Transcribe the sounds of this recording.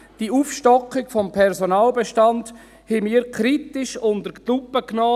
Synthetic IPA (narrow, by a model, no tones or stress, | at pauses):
d̥iuːfʃtɔkːɪkfɔmpʰɛɾzonaːlbeʃtand | hɪmiːəɾkʰɾitɪʃʊndəɾlupːəknɔː